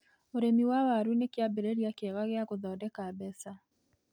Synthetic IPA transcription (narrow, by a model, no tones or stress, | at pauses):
oɾemiwawaɾunekjabeɾeɾiakeɣaɣeaɣoðɔːdɛkabɛsa